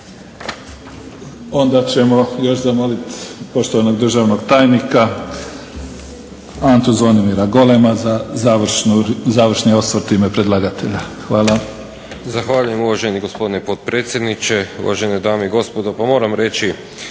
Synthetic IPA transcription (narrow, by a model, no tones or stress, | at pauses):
o̞nd̪at͡ɕe̞mo̞jo̞ʃzamo̞lit̪po̞ʃt̪oʋano̞ɡd̪r̩ʒaʋno̞ɡt̪aːjnika | ant̪uzonimiɾaɡo̞lemazazaʋʃnuzaːʋr̩ʃnio̞st̪ʋoɾt̪iːme̞pɾe̞d̪lˠaɡat̪ʰe̞ʎaxʋaːlˠa | zaxʋaːʎujemuʋaʒeniɡospo̞d̪inepot̪̚pɾeːt̪sjed̪nit͡ʃeṵʋa̰ʒened̪aːmeiɡo̞spod̪opamo̞ːɾamɾe̞t͡ʃi